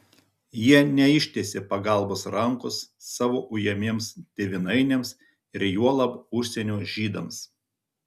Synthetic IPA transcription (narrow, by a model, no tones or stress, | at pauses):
jiɛnʲɛɪʃʲt̪ʲeːsʲɪpɐɡɐˑlˠbʊsɾɐŋkʊsːɑːʋoːʔʊjɛmʲeɛmsd̪ʲeːʋʲɪnɐɪnʲɛms | ɪɾjuɔlˠɐpʊʃʲsʲɛnʲuːʒʲiːd̪ɐms